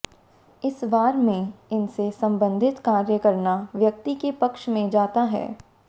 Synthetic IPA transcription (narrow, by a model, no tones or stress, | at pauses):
ɪsʋaːɾmẽɪnsesɐ̃mbə̃nd̪ʱɪt̪kaːɾjəkɐɾnaʋjɐk̚t̪ikepɐkʃmẽd͡ʒaːt̪aɦɛ̰ː